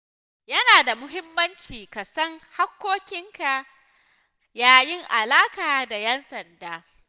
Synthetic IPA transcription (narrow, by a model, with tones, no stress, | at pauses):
jɐ˦naː˨da˨mʊ˦ɦɪ˦mːɐ˦nt͡ʃiː˨ka˨sɐ˦ŋha˦kʷːoː˦kʲɪ˦ŋka˨ʔ | jaː˦jɪ˦ŋʔa˨laː˦kaː˨da˨jɛ˦nsɐ˨ndaː˦